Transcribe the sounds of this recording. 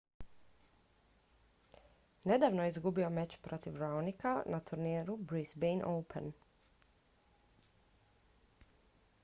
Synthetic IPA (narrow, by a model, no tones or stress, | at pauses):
ne̞d̪aːʋnojeizɡubio̞met͡ɕpɾo̞t̪iʋɾawnikanat̪ʰuɾnieɾubɾizbejnʔowpʰḛn